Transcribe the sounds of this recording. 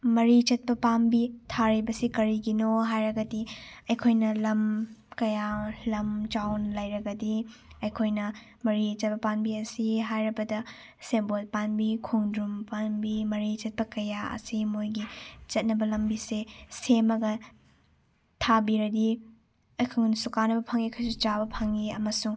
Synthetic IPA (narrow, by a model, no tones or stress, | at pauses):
mɐɾit͡ʃɐt̚pɐpanbitʰaɾibɐsikɐɾiɡinoɦajɾɐɡɐdiɐjkʰojnɐlɐmkɐjalɐmt͡ʃawnlɐjɾɐɡɐdiɐjkʰojnɐ | mɐɾit͡ʃɐt̚pɐpanbiɐsiɦajɾɐbɐdɐ | sebot̚panbikʰoŋdumpanbimɐɾit͡ʃɐt̚pɐkɐjaɐ̰simojɡit͡ʃɐt̚nɐbɐlɐmbisesemɐɡɐ | tʰabiɾɐdi | ɐjkʰɐŋnsukanɐbɐpʰɐŋikʰɐjsut͡ʃabɐpʰɐŋiɐmɐsuŋ